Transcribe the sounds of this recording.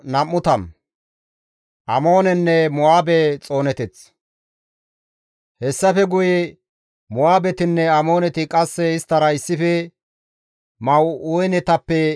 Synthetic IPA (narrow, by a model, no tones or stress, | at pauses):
nɐmːʊt̪ɐm | ʔɐmo̞ːnɛnːɛmʊaːbɛt͡sʼo̞ːnɛt̪ɛt͡s | hɛsːɐfɛɡʊjɛ | mʊaːbɛt̪ɪnːɛɐmo̞ːnɛt̪ɪkʼɐsːɛɪst̪ːɐɾɐɪsːɪfɛ | mɐwujnɛt̪ɐpːɛ